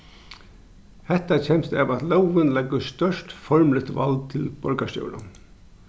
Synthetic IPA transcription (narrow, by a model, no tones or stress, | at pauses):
hɛht̪at͡ɕʰɛːmst̪ɛ̰ʋat̪lɛwʋɪnlɛɡːəst̪œʂt̪fɔɹmlɪt̪ʋa̰ld̪̚t̪ʰɪlb̥ɔɹkast̪jɔ̰ʊɾʊ̰